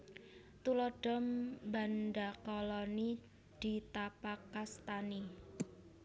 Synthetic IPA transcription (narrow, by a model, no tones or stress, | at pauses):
t̪ulɔɖ̥ɔmbandakɔlɔni | d̪̥i̤t̪apakːast̪ani